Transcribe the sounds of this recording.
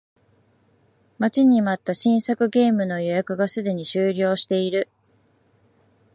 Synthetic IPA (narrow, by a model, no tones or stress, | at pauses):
mat͡ɕiɲ̟imat̪ːaɕĩɰ̃sakɯ̟ɡe̞ːmɯ̟no̞jo̞jakɯ̟ɡasɨd̪e̞ɲ̟iɕɨːɾʲo̞ːɕi̥t̪e̞iɾɯ̟